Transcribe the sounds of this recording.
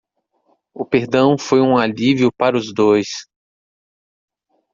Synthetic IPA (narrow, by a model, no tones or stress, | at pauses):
ʊpeɾd̪ɐ̃w̃fojũaliviʊpaɾʊzd̪ojs